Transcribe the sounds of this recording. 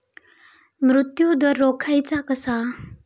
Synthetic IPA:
mɾut̪jud̪ʌrokʰajt͡sakʌsa

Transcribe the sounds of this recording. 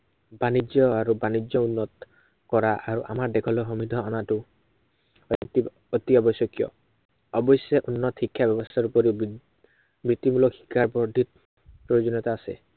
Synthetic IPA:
banid͡ʒjɔaɾubanid͡ʒjɔunːɔt̪ | kɔɹaʔaɹuʔamaɹdekʰɔlɔɦɔmid̪ʱɔanatu | t̪i | ot̪iɔbɔsjɔkjɔ̰ | ɔbɔjsɛʔunːɔt̪hikʰːjabɛbɔst̪aɹupɔɾi | bɹit̪imulɔkxʰi̥kːaɹbɔɹd̪ʱit̪̚ | pɹɔjod͡ʒɔnɔt̪aːse

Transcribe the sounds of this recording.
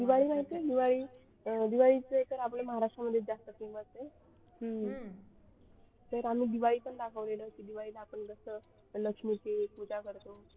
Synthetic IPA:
d̪iʋaɭiːnaɽt̪ed̪iʋaɭiː | d̪iʋaɭit͡sət̪əɾapleməɦaɾaʂʈɾaməd̪ʱːjed͡zast̪əkeməst̪e | ɦə | t̪əɾam̤iːd̪iʋaɭiːpəɳd̪akʰəʋleləkiːd̪iʋaɭiːlaːpəɳɡəsə | ləkʂmit͡sekud͡zakəɾt̪o

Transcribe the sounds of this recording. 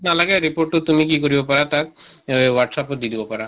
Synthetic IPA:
nalaɡeɾipoɾʈːot̪umikikoɾibopaɾat̪ak | waʈsapod̪id̪ibopaɾa

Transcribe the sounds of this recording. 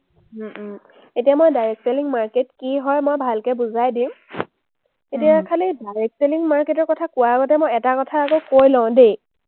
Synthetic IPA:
etijamɔjdajɹek̚seliŋmaɹketkiɦɔjmɔjbʱalkɛbuzajdĩm | etijakʰalidajɹɛk̚seliŋmaɹketɔɹkɔtʰakʊwaːɡɔtɛmɔjɛtakɔtʰaːkɔkojlɔ̃ʊ̃de

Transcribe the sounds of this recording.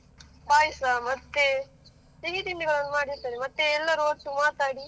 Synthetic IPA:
baːjisamɐt̪ːe | t̪eɣit̪iɳɖɯɣɐɭɐnːmaːɽisɐɾimɐt̪ːeɛlːaɾoːʈːumaːt̪aːɽi

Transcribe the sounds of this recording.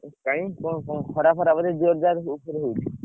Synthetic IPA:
kaj̃kokokʰɔɽapʰɔɾamad̪eɾd͡ʒoɾd̪aɾupoɾeɦojt̪ʰi

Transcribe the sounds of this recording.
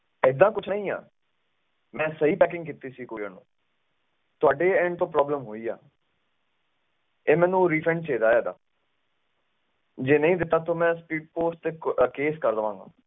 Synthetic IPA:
ɪd̪ãːkʊt͡ʃʰnəĩːa̰ː | mɛ̃ːsəɦiːpɛːkɪ̃ŋɡkiːt̪iːsiːkoːiəːnõ̰ː | t̪ʊaːɖeːɛ̃ɳɖt̪õːpɾɔːbləmɦoːiːa̰ː | eːmɛ̃ːnũːɾiːpʰɛ̃ɳɖt͡ʃeːd̪aːeːd̪a̰ː | d͡ʒeːnəĩːd̪ɪt̪ːaːt̪õːmɛ̃ːspiːɖ̚poːsʈt̪eːkeːskəɾd̪əʋãːŋɡa̰ː

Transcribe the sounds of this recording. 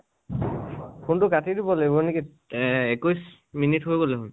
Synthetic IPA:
kʊntʊkatidibɔlebɔniki | ekujs | minitɦojɡolɛɦʊn

